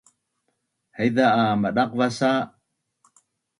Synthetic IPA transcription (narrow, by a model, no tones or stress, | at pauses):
həjðaːmaɗaqvasa